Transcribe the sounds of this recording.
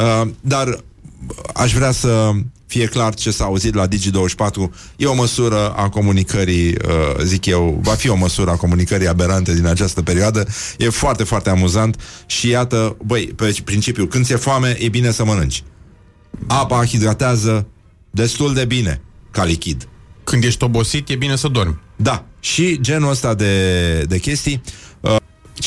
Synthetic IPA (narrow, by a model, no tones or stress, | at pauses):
əd̪ar | a̰ʃvɾeasəfije̞klart͡ʃe̞saːuzit̪lad̪id͡ʒid̪owəʃʲpat̪ɾu | je̞oməsuɾəa̰ko̞munikəɾiə̰zikje̞wvafio̞məsuɾəako̞munikəɾiabe̞ɾant̪e̞d̪inat͡ʃast̪əpe̞ɾioad̪əje̞foart̪e̞foart̪e̞amuzant̪ʃijat̪əbəjpepɾint͡ʃipjukɨnsjefoame̞jʔe̞bine̞səmənɨnt͡ʃʲ | apaxid̪ɡat̪eazə | d̪e̞st̪uld̪e̞bine̞̰kalikʲid̪kɨnd̪je̞ʃʲt̪o̞bo̞sit̪jebine̞səd̪ormʲd̪aʃid͡ʒe̞nuəst̪ad̪e̞d̪e̞kʲe̞st̪ij